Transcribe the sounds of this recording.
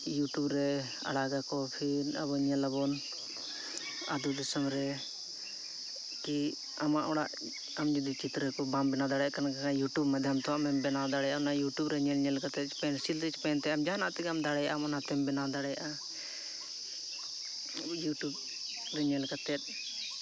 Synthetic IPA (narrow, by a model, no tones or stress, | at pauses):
juʈubɾɛ | a̰ɽaɡakɔpʰiɾa̰bɔɲɛlabɔn | a̰d̪ud̪ɔsəmɾɛ | ki | amaʔɔɽaʔ | amd͡ʒud̪it͡ʃit̪ɾəkɔbambɛnad̪aɽɛʔkanakakajuʈubmad̪ʱjamt̪ɔwaʔmɛmbɛnad̪aɽɛjaɔnajuʈjubɾɛɲɛlɲɛlkat̪ɛt̪̚t͡ʃpɛnsilt̪ɛt͡ʃpɛnt̪ɛamd͡ʒanaʔt̪ɛɡamd̪aɽɛjaʔamanat̪ɛmbɛnad̪aɽɛja̰ʔa | juʈub̚ | ɾɛɲɛlkat̪ɛt̪̚